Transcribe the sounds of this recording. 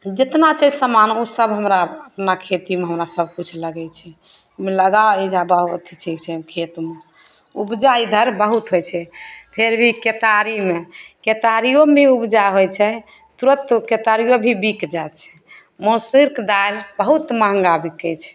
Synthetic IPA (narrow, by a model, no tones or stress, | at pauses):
d͡ʒet̪nat͡ʃʰɛsəmanosəbɦəmɾaəpnakʰet̪imeɦəmɾasəb̚ʱkut͡ʃʰləɡɛt͡ʃʰɛ | meləɡaed͡ʒabəɦut̪t͡ʃʰikt͡ʃʰɛkʰet̪me | ubd͡ʒaid̪ʱəɾbəɦut̪ɦojt͡ʃʰɛpʰeɾbʱiket̪aɾimeket̪aɾijombʱiubd͡ʒaɦojt͡ʃʰɛ | t̪uɾət̪ket̪aɾijobʱibikd͡ʒat͡ʃʰɛ̥ | mosiɾkd̪aɾbəɦut̪məɦə̃ŋɡabʱikɛt͡ʃʰɛ̥